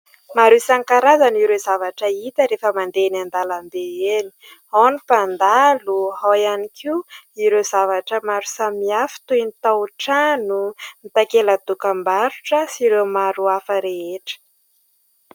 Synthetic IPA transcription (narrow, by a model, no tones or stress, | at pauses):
maɾusaŋkaɾazaniɾezavaʈ͡ʂəit̪əɾefəmand̪enand̪alambeeni̥ | anipand̪aluɦajanikʰiuiɾezavaʈ͡ʂəmaɾu̥samiafi̥t̪ujnit̪aʈ͡ʂanumit̪akelad̪ukəmbaɾuʈ͡ʂəsiɾewmaɾuafəɾeeʈ͡ʂə̥